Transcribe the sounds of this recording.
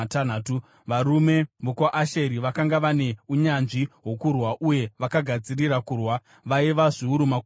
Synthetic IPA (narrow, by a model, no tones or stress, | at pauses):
tanaːtu | ʋaɾume̞ʋukwaʔaʃeɾiʋakaŋɡaʋane̞uɲanʐiɦo̞kurwaʔuje̞ʋakaɡʱad͡zirirakurwa | ʋaiʋaʐiuɾumak